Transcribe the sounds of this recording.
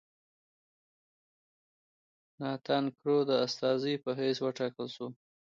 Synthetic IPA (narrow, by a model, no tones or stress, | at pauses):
nɑt̪ʰɑnkɾod̪əast̪ɑzijpəɦeswəʈɑkəlʃu